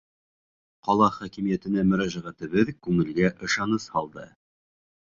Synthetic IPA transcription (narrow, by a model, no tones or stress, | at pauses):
qɒlˠɑχækimijæt̪ɘ̆næmɵ̆ɾæʒæʁæt̪ɘ̆βɘðkʉŋɘ̆lɡæʔɤ̆ʃɑnɤshɑlˠd̪ɤ